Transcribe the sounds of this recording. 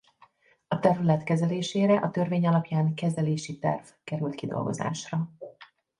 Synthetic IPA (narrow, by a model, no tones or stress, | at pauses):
ɒt̪ɛrlɛt̪kɛzɛleːʃeːɾɛʔɒt̪ø̞rveːɲɒlɒpjaːŋkɛzd̪ɛleːʃit̪ɛ̰rv̥kɛɾylt̪kid̪o̰lɡo̞̰za̰ːʃrɒ